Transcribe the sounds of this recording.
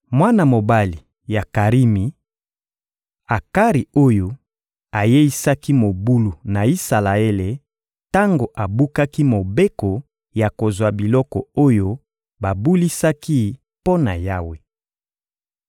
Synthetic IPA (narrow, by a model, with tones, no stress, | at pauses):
mwa˦na˨mo˨ba˦li˨ | ja˨ka˨ʁi˦mi˨ | a˨ka˦ʁi˨o˦jo˦ | a˨je˦i˦sa˦ki˦mo˨bu˦lu˨na˨i˦sa˨la˨e˦le˨ | ta˦ŋɡo˨ʔa˨bu˦ka˦ki˦mo˨be˦kɔ˨ | ja˨ko˨zwa˨bi˨lɔ˦kɔ̰˨o˦jo˦ | ba˨bu˦li˦sa˦ki˦ | po˦na˨ja˦we˨